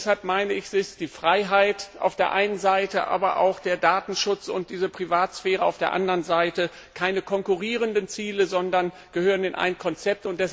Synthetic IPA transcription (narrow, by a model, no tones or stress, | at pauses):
shalp̚maɪnəɪçz̥ɪsd̥iːfʁ̥aɪɦaɪtʔa̰ʊfd̥eːɐʔaɪnənzaɪtəʔa̰ːbɐʔa̰ʊxd̥eːɐdaːtn̩ʃʊt͡sʊ̰nt̚d̥iːzəpʁ̥ivaːtsfɛːʁ̞əa̰ʊfd̥eːɐʔa̰ndəʁənzaɪtə | kʰaɪnəkʰɔŋkuʁiːʁ̞əndənt͡siːləzɔndɐn | ɡ̥əhøːʁəneːnʔa̰ɪnkʰɔnt͡sɛp̚tʊnt̚d̥ɛs